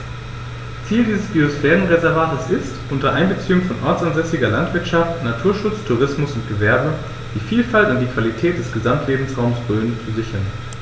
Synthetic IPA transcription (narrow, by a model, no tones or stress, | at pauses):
t͡siːldiːzəsb̥iosfɛːʁənʁezɛɐvaːtəsɪstʔʊntɐʔaɪnbət͡siːʊŋfɔnʔɔɐt͡sanzɛsɪɡɐlantv̥ɪɐtʃaftnatʰuːɐʃʊt͡stʰuʁɪsmʊsʊntɡ̥əvɛɐbə | d̥iːfiːlfaltʊndiːkv̥alitʰɛːt̚d̥ɛsɡ̥əzamtʰleːbm̩sʁaʊmsb̥ʁøːnəfyzɪçɐn